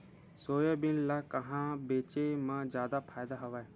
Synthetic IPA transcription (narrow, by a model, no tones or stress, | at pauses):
soːjaːbɪnlaːkəɦãːbeːt͡ʃemãːd͡ʒjaːd̪aːpʰaːjd̪aːɦəʋaːɛː